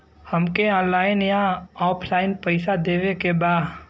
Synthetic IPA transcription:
həmkeɔ̃ːlaːɪnjãɔːpʰlaːɪnpəɪsad̪eːʋekebaːd̪

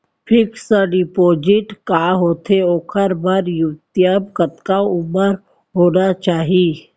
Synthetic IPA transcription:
pʰɪksəɖɪpoːd͡ʒɪʈkaːɦoːt̪ʰeoːkʰəɾbəɾjʊt̪jəbkət̪kaʊməɾ | ɦoːnat͡ʃaːɦi

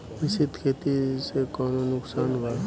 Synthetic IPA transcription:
ʋɪsɪd̪ʱkʰet̪isekaːnonʊksaːnbaɾ

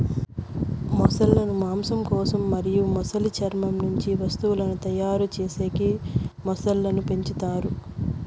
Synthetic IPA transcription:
mɔsɐlːɐnumaːmsɐmkɔːsɐmːɐɾijumɔsɐlit͡ʃɐɾmɐmnuɲt͡ʃiʋɐst̪uwulɐnut̪ɐjaːɾut͡ʃeːseːkimɔsɐlːɐnupe̞ɲt͡ʃit̪aːɾu

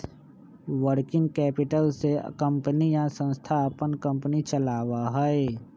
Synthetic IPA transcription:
ʋəɾkɪ̃ŋɡ̚kɛːpɪʈəlseə̰kə̃mpənijasə̃nst̪ʰapənkə̃mpnit͡ʃəlaːwaɦɛe

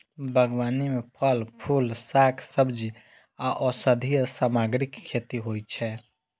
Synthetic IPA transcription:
bʱəɡwaːnimẽpʰəlpʰulsaːkʰsəbd͡ʒi | aʔɔːsəd̪ʱijəsaːmaːɡɾɪkʰːeːt̪iɦoːit͡ʃʰɛː

